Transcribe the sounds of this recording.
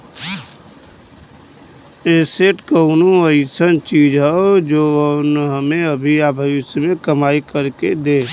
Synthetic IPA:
eːseʈkəʊnoəisənt͡ʃiːd͡ʒɦɛod͡ʒoːnɦəmẽəbʱiabʱəʋɪsmẽkəmaːikəɾked̪eː

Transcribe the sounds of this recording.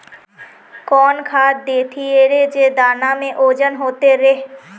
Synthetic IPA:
kɔːnkʰaːɾ̚d̪eːt̪ʰieɾed͡ʒeːd̪aːnamẽʔoːd͡ʒənɦoːt̪eɾeɦ

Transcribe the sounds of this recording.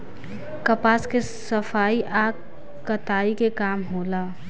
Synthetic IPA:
kəpaːske | səfʰaːiʔaː | kət̪aːikekaːmɦoːlaː

